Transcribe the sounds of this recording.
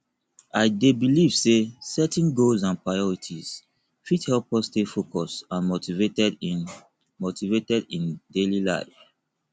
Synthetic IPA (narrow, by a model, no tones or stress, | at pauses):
aɪdebiliv̥sesɛtɛ̃nɡolzãnpɹaɪɔɹitʰiz̥ | fithɛlpɔstefokɔsãnmotivetɛd | motivetɛdĩndelila̰ɪf